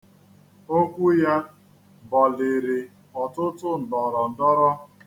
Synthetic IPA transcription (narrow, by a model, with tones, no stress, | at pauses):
o˦kʷu˦ja˦ | bɔ˨le˨ɾe˨ | ɔ˨tʊ˦tʊ˦n̩˨dɔ˨ɾɔ˨n̩˨dɔ˦ɾɔ˦